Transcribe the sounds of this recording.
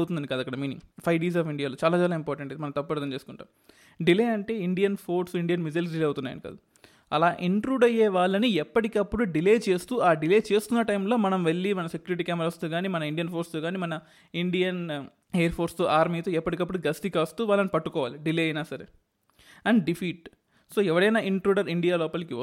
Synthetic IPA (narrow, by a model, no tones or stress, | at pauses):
wt̪und̪ɐnɖikɐd̪ːɐkːɐɽɐmiːniŋpʰɐjɖiːs̬aːfiɳɖijaːloːt͡ʃaːlaːt͡ʃaːlaːimpɔːɾʈɐɳʈɐjd̪emɐnɐmt̪ɐpːuɐɾt̪ɐmt͡ʃeːsukuɳʈa̰ːm | ɖileːɐɳʈe̞ːiɳɖijɐnpʰo̞ːɾsiɳɖijɐnmizɐls̬ɖileːjɐwut̪unːaːjɐ̰nika̰ːd̪u | ɐlaːʔiɳʈɾuːɖɐjɛːʋaːɭːɐniɛpːɐʈikɐpːuɽuɖileːt͡ʃe̞ːst̪uːaːɖileːt͡ʃe̞ːst̪unːɐʈɐjmlo̞ːmɐnɐmʋeɭːimɐnɐse̞kjuːɾiʈ̬iːkʲaːmɾaːst̪oːɡaːnimɐnɐiɳɖijɐnpʰo̞ːɾst̪oːɡaːniːmɐnɐ | iɳɖijɐn | eːɐɾpʰo̞ːɾst̪oːʔaːɾmiːt̪oːɛpːɐʈikɐpːuɽuɡɐst̪ikɐst̪uːʋaːlːɐnipɐʈːukɔːʋaːliɖileːɐjnaːsɐɾḛ | ɐɳɖɖipʰiːʈ | so̞ːɛʋɐɽɐjnaːiɳʈɾuːɖɐɾiɳɖijaːlɔːpɐlɐkiʋɐ